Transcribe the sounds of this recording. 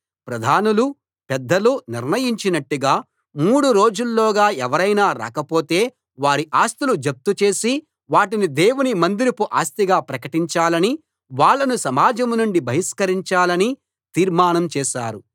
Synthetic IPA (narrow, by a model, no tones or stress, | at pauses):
pɾɐd̪ʱaːnulu | pɛd̪ːɐluniɾnɐjiɲt͡ʃinɐʈːuɡaː | muːɽuɾo̞ːd͡ʒulːɔːɡaːɛʋɐɾɐjnaːɾa̰ːkɐpo̞ːt̪e̞ː | ʋaːɾiʔaːst̪ulud͡ʒɐp̚t̪ut͡ʃe̞ːsi | ʋaːʈinid̪eːwunimɐnd̪iɾipuʔaːst̪iɡaːpɾɐkɐʈiɲt͡ʃaːlɐni | ʋaːɭːɐnusɐmaːd͡ʒɐmnuɳɖibʱɐɦiskɐɾiɲt͡ʃaːlɐni | t̪iːɾmaːnɐmt͡ʃɛːʃaːɾu